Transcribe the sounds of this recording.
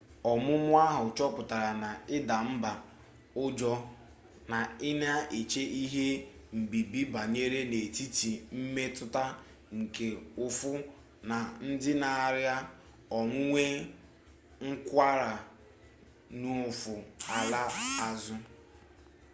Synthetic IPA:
ɔ˨mʊ˦mʊ˦a˦ɦʊ˨t͡ʃɔ˦pʊ˨ta˨ɾa˨na˨ɪ˦da˨m̩˦ba˨ | ʊ˦d͡ʒɔ˦ | na˨ɪ˦na˦e˨t͡ʃe˦ʔi˦ɦe˦m̩˨bi˨bi˦ba˨ɲe˦ɾe˦ne˨ti˦ti˨m̩˦me˦tʊ˦ta˦ | ŋ̩˨ke˨ʊ˦˨fʊ˦ | na˨n̩˦dɪ˦na˨a˦˨ɾja˦ | ɔ˨ŋʷʊ˦ŋʷe˦ | ŋ̩˦kʷa˦ɾa˨ | nu˦ʊ˨fʊ˨a˨la˦a˦zʊ˦

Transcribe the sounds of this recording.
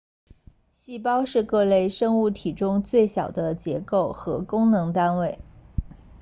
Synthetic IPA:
ɕi˥˧pɑ˥ʊʂɻ̩˥˧kɤ˥˧le˥˧ɪʂɤ˥ŋu˥˩t̪ʰi˨˩ʈ͡ʂʊ˥ŋt͡swe˥˩ɪɕjɑ˨˩ʊd̪ə˦t͡ɕjɛ̰˧˥ko˥˩ʊxɤ˧˥kʊ˥ŋnɤ˧˥ŋt̪a˥nwe˥˩ɪ

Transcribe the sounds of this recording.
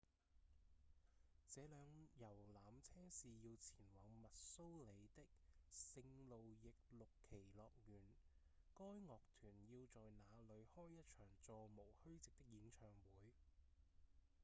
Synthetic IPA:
t͡sɛː˨˧lœː˨˧ŋjɐ˨˩wlaː˨mt͡sʰɛː˥ŋsiː˨jiː˧wt͡sʰiː˨˩nwɐː˨˧ŋmɐ˨t̚so˥wle˨˧jt̪ɪ˥k̚sɪ˧ŋlo˨wjɪ˨k̚lʊ˨kʰːe˨˩jlɔː˨k̚jyː˨˩n | kɔː˥jŋɔː˨k̚t̪ʰyː˨˩njiː˧wt͡sɔː˨jnaː˨˧lɵ˨˧ɥhɔː˥jːɐ˥t̚t͡ʃʰœː˨˩ŋt͡sɔː˧mo˨˩whɵ˥ɥt͡sɪ˨k̚t̪ɪ˥k̚jiː˨˧nt͡ʃʰœː˨˩ŋwuː˨˥j

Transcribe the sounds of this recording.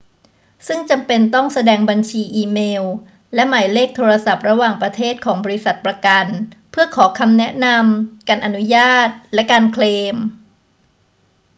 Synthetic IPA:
sɯ˥˩ŋt͡ɕa˧mpe˧nt̪ɔ˥˩ŋsa˧dɛː˧ŋba˧nt͡ɕʰiː˧ʔiː˧meː˧w | lɛ˦˥maː˨˩˦jleː˥˩k̚t̪ʰoː˧ɾa˧sa˨˩p̚ɾa˧waː˨˩ŋpɾa˧t̪ʰeː˥˩t̪̚kʰɔː˩˦ŋbɔː˧ɾi˦˥sa˨˩t̪̚pɾa˧ka˧npʰɯ˥˩ɐkʰɔː˩˦kʰa˧mnɛ˦˥na˧mkaː˧nʔa˧nu˦˥jaː˥˩t̪̚lɛ˦˥kaː˧nkʰleː˧m

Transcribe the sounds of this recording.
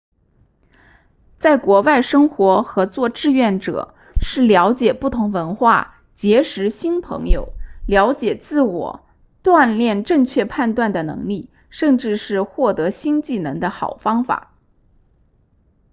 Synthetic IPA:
t͡sa˥˩ɪkwɔ˧˥wa˥˩ɪʂɤ˥ŋxwɔ˧˥xɤ˧˥t͡swɔ˥˧ʈ͡ʂɻ̩˥˧ɥɛ˥˩nʈ͡ʂɤ̰˨˩˦ | ʂɻ̩˥˩ljɑ˧˥ʊt͡ɕjɛ˨˩pu˥˩t̪ʰʊ˧˥ŋwə˧˥nxwa̰˥˩ | t͡ɕjɛ˧˥ʂɻ̩˧˥ɕi˥npʰɤ̰˧˥ŋjo̰˨˩ʊljɑ˧˥ʊt͡ɕjɛ˨˩t͡sɹ̩˥˩wɔ̰˨˩ | t̪wa˥˧nljɛ˥˧nʈ͡ʂɤ˥˧ŋt͡ɕʰɥɛ˥˧pʰa˥˧nt̪wa˥˩nd̪ə˩nɤ̰˧˥ŋli˥˩ | ʂə˥˧ŋʈ͡ʂɻ̩˥˧ʂɻ̩˥˧xwɔ˥˩t̪ɤ˧˥ɕi˥nt͡ɕi˥˩nɤ˧˥ŋd̪ə˧xɑ̰˨˩ʊfɑ˥ŋfa̰˨˩˦

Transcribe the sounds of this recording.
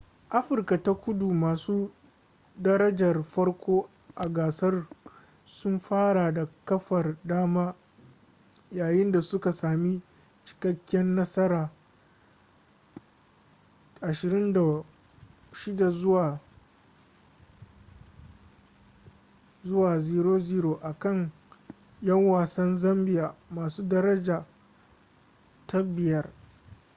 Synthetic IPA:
ʔa˦ɸɪ˨rka˨ta˦kʷʊ˦du˨maː˨suː˦ | dɐ˦ɾɐ˦d͡ʒɐ˨rɸɐ˦rkʷoː˦ | ʔa˨ɡaː˨sɐ˦r | sʊ˦mɸaː˦ɽa˨da˨kɐ˦ɸɐ˨rdaː˦maː˦ | jaː˨jɪ˦nda˨sʊ˦ka˨saː˨mi˦ | t͡ʃɪ̥˨kɐ˦kʲːɛ˦nːɐ˦sɐ˦ɾaː˨ | ʔa˨ʃɪ˨ɾɪ˦nda˨ | ʃɪ˦da˨zwa˨ | zʊ˦waː˨ziː˦ɾoː˦ziː˦ɾoː˨ʔa˨kɐ˦˨ŋ | jɐ˦ŋwaː˨sɐ˦nzɐ˦mbɪ˨jaː˨maː˨suː˦dɐ˦ɾɐ˦d͡ʒaː˨ | ta˦bɪ˨jɐ˦r

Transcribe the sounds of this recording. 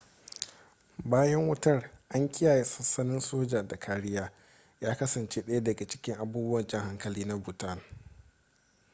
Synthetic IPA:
baː˦jɐ˦ŋwɐ˦tɐ˦rʔa˦ŋkʲɪ˦jaː˨je˨sɐ˦sɐ˦nɪ˦nsoː˦d͡ʒa˨da˨kʰaː˦ɽɪ˦jaː˦ | jaː˦kɐ˦sɐ˨nt͡ʃeː˦ɗɐ˦ja˦dɐ˨ɡa˨t͡ʃɪ̥˦kʲɪ˦ŋʔa˨buː˦bʊ˦wɐ˨nt͡ʃɪ˦ŋha˦ŋkɐ˨liː˦na˦bʊ˨tɐ˦˨n

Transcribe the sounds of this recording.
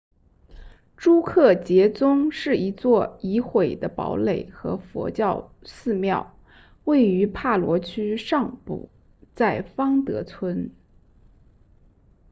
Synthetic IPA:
ʈ͡ʂu˥kʰɤ˥˩t͡ɕjɛ˧˥t͡sʊ˥ŋʂɻ̩˥˩i˧˥t͡swɔ˥˩i˧˥xwe˨˩ɪd̪ə˦pɑ̰˧˥ʊle˨˩ɪxɤ̰˧˥fwɔ̰˧˥t͡ɕjɑ˥˧ʊsɹ̩˥˧mjɑ˥˩ʊ | we˥˩ɪy˧˥pʰa˥˩lwɔ˧˥t͡ɕʰy˥ʂɑ˥˧ŋpṵ˨˩ | t͡sa˥˩ɪfɑ˥ŋt̪ɤ̰˧˥t͡sʰwə˥n

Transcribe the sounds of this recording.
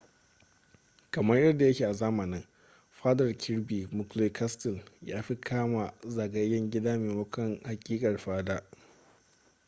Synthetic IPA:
kɐ˨mɐ˦rjɐ˦rda˨ja˦kʲiː˨ʔa˨zaː˦mɐ˨nɪ˦ŋ | ɸaː˦dɐ˨rkʲʰɪ˦ɽbiː˨mʊ˨kleː˦kʰa˦stɪ˨ljaː˦ɸi˦kʰaː˦ma˨za˨ɡɐ˦jːɐ˦ŋɡʲɪ˦daː˦meː˨mʊ˦kʷɐ˦˨ŋha˨kʲʼiː˦kʼɐ˨rɸaː˦daː˦

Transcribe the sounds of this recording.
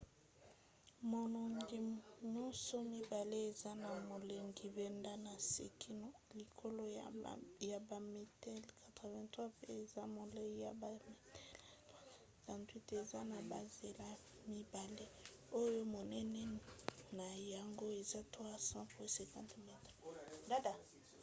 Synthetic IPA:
mo˨nɔ˨ŋɡi˨ɲɔ̃˦sɔ˦mi˦ba˨le˦e˨za˦na˨mo˨le˨ŋɡi˨vɛ˦nda˦na˨sḛ˨kʰi˦n˦li˨kʰo˦lo˦ | ja˨ba˨mi˨tɛ˦lkʰa˨tʁɛ˨vɛ̃˦tχwa˦pɛ˦e˨za˦mo˨le˦ja˨ba˨mi˦t | sã˨ntwi˦te˨za˦na˨ba˨ze˨la˦ | mi˦ba˨le˦ | o˦jo˦mo˨nɛ˦nɛ˦na˨ja˨ŋɡo˦e˨za˦twa˦sã˦psɛ˨kã˦tmɛ˦tχda˦da˨

